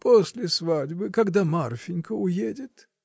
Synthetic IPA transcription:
posʲlʲɪsvadʲbɨkɐɡd̪amarfʲɪnʲkəʊjedʲɪt̪

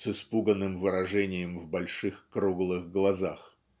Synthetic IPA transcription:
sɨspuɡənːɨmvɨɾɐʐɛnʲɪjəmvbɐlʲʂɨxkɾuɡlˠɨɣɡlˠɐzax

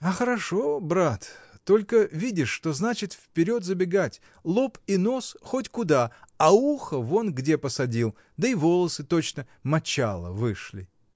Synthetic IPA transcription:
ɐxəɾɐʂo̞bɾat̪ːo̞lʲkəvʲidʲɪʂːt̪o̞znat͡ɕɪt̪fʲpʲɪɾʲo̞t̪zəbʲɪɡatʲ | lˠo̞pino̞sxotʲkʊd̪aɐuxəvo̞nɡdʲe̞pəsɐdʲilˠ | d̪əivo̞lˠəsɨt̪o̞t͡ɕnə | mɐt͡ɕalˠə̰vɨʂlʲɪ̰

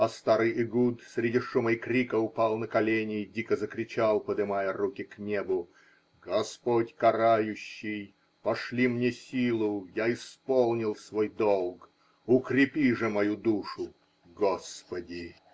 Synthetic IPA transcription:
ɐst̪aɾɨjɪɡut̪sʲɾʲɪdʲiʂuməjkɾʲikəʊpɑlˠnəkɐlʲenʲɪːdʲikəzəkɾʲɪt͡ɕalˠpəd̪ɨmajərukʲɪknʲe̞bʊ | ɡɐspotʲkɐɾajʊɕːɪj | pɐʂlʲimnʲesʲilˠʊjaɪspolˠnʲɪlˠsvojd̪olˠɡ | ʊkɾʲɪpʲiʐɨmɐjud̪uʂʊ | ɡospədʲɪ

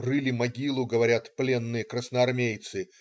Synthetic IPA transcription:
rɨlʲɪmɐɡʲilˠʊɡəvɐɾʲat̪plʲe̞nːɨjəkɾəsnəɐrmʲejt̪sɨ

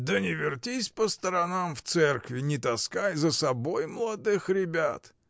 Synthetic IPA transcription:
d̪ənʲɪvʲɪrtʲisʲpəst̪əɾɐnamft̪sɛrkvʲɪnʲɪt̪ɐskajzəsɐbojmlˠɐd̪ɨxɾʲɪbʲa̰t̪

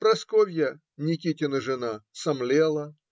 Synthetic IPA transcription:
pɾɐskovʲjɐ | nʲɪkʲitʲɪnəʐɨnasɐmlʲelˠɐ

